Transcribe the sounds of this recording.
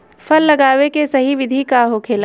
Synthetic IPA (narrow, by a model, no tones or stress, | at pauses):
fɐlːɐɡaːwekesɐɦiʋɪd̪ʱikaɦokʰeːla